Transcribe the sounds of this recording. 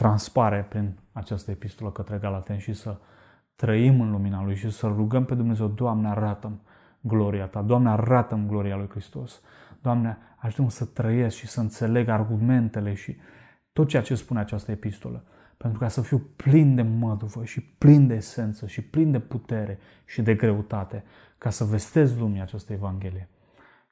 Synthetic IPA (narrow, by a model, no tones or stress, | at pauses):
t̪ɾanspaɾepɾinat͡ʃast̪əepist̪o̞ləkət̪ɾe̞ɡalat̪enʃisə | t̪ɾəimɨnluminalujʃisəlɾuɡəmpe̞d̪umne̞ze̞wd̪oamneaɾat̪əm | ɡlo̞ɾiat̪ad̪oamneaɾat̪əmɡlo̞ɾialujkɾist̪o̞s | d̪̥oamnea | aʒut̪emsət̪ɾəjesʃisəɨnt̪se̞le̞ɡarɡume̞nt̪e̞le̞ʃi | t̪ot̪̚t͡ʃeat͡ʃe̞spuneat͡ʃast̪əepist̪o̞̰lə | pent̪ɾukasəfiwplind̪e̞məd̪uvəʃiplind̪e̞ːse̞nt̪səʃiplind̪e̞put̪e̞ɾʔe̞ | ʃid̪e̞ɡɾe̞ut̪at̪e̞ | kasəve̞st̪e̞zlumiat͡ʃast̪əe̞vaŋɡʲe̞lije̞